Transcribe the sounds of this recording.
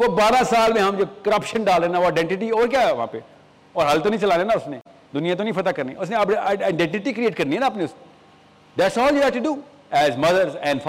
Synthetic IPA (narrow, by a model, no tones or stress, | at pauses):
ʋoːbaːɾãsaːlmẽɦɐmd͡ʒoːkəɾɐpʃə̃nɖaːlɾẽːnaʋoaɪɖɛ̃ɳʈɪʈiɔːɾk̬jaːɛʋɐɦã̰ːpe | ɔːɾɦɐlt̪õnə̃ĩt͡ʃɐlaːnẽːnaʊsne | d̪ʊnijãt̪õnɐ̃ĩfɐt̪akɐɾniʊsnẽɐbaɪaɪɖɛ̃ɳʈɪʈikɾieːʈ̚kɐɾniɦɛːnaɐp̬neʊs | d̪æʈsɔːljuːɦɛːfʈuɖuː | ɛːzmɐd̪əɾzɛ̃ːɳɖf